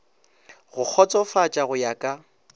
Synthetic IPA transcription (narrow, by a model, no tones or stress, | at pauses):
ɣʊk͡xʰɔt͡sʼɔfat͡ʃʼaɣʊjakʼa